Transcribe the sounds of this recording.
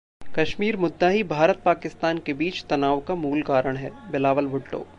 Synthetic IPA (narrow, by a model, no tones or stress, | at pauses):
kɐʃmiːɾmʊd̪ːaɦibʱaːɾət̪̚paːkɪst̪aːnkebiːt͡ʃt̪ɐnaːʋkamuːlkaːɾəɽ̃ɦɛːbɪlaːʋəlbʱʊʈːo̰ː